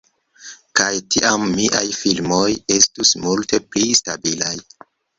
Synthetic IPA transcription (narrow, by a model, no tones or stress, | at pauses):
kajtʰiʔamːiʔajfilmo̞je̞stusmulte̞plistabilaj